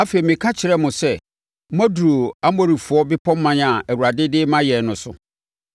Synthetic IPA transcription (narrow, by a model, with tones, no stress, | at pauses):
a˦fe˨i˨mɪ̃˨kʰã˦t͡ɕʰɪ˨ɾɛ˦mʊ̃˨sɛ˦ | mã˦du˨ɾo˨a˦mo˦ɾi˨fʊ˨ɔ˦bɪ˦pʰɔ̃˦mː˦ã˦nã˨æ˨wu˨ɾa˨dɪ˦dɪ˦mã˦jɛ˨nʊ̃˨sʊ̰˨